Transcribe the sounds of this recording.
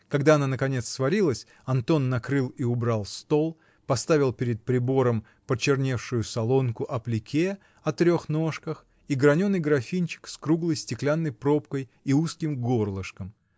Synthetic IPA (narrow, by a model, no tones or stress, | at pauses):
kɐɡd̪aɐnanəkɐnʲe̞t̪svɐɾʲilˠəsʲ | ɐnt̪o̞nːɐkɾɨlˠiʊbɾalˠst̪o̞lˠ | pɐst̪avʲɪlˠpʲɪɾʲɪt̪̚pɾʲɪbo̞ɾəm | pət͡ɕɪrnʲe̞fʂʊjʊsɐlˠo̞nkʊʔɐplʲɪkʲʰe | ɐt̪ɾʲo̞xno̞ʂkəx | iɡɾɐnʲo̞nːɨjɡɾɐfʲinʲt͡ɕɪ̥kskɾuɡlˠəjsʲtʲɪklʲanːəjpɾo̞pkəjiuskʲɪmɡo̞rlˠəʂkəm